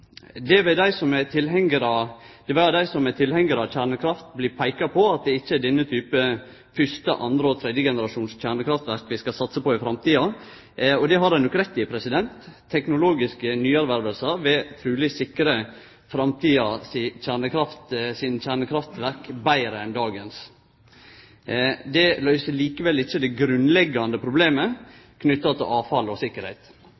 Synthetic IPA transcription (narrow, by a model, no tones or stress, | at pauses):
d̪ɛʋɛd̪æɪsɔmɛt̪ʰɪlɦɛŋəɾɑd̪̥ɛʋɛd̪æɪsɔmɛt̪ʰɪlhɛŋːəɾɑçæːɳəkʰɾɑft̪bliːpʰæɪkɑpʰɔɑt̪̚d̪ɛɪt͡ʃːəɛɖɛnːət̪ʰyːpə | fʏʂt̪əʔɑ̰nd̪ɾəɔt̪ʰɾɛd̪jəɡɛnəɾɑʃuːnsc͡çæːɳəkʰɾɑft̪ʋæɾkʋɪskɑsɑt̪səpɔɪfɾɑmt̪iːɑ | ɔd̪ɛɦɑɾd̪ɛɪnɔkːɾɛt̪ːɪpʰɾɛsɪd̪ɛnt̪ʰː | ɛknʊloːɡɪskənyːæɾʋæɾʋəlsəɾʋɛt̪ʰɾʉːlɪsɪkɾə | fɾɑmt̪ʰiːɑsɪçæːɳəkʰɾɑft̪sɪnɕæːɳəkʰɾɑft̪ʋæɾkbæɪɾəɛnd̪ɑːɡəns | d̪ɛlœʏsəliːkəʋɛlːɪçːəd̪ɛɡɾʉnlɛɡːɑnd̪əpʰɾʊbleːmə | kʰnʏt̪ːɑt̪ʰɪlʔɑːfɑlɔsɪkːəɾhɛɪt̪